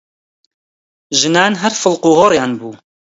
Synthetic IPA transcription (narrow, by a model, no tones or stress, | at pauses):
ʒɨnaːnɦɛɾfɨlquːhoɾjɑːnbuː